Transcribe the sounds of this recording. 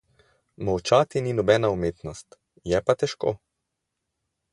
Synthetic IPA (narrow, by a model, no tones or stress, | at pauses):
mawt͡ʃaːt̪ininɔbɛːnaumeːt̪nɔst̪ | jɛpat̪ɛʃko̰ː